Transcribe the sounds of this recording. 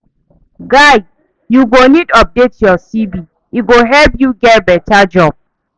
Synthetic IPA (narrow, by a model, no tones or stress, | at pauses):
ɡaɪ | juɡonidɔp̚detjɔsibi | iɡoɦɛlpjuɡɛt̚bɛtad͡ʒɔb̥̚